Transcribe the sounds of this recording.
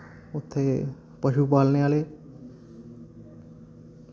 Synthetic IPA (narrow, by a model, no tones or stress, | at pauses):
ʊt̪ʰːe | pəʃupaːlneaːle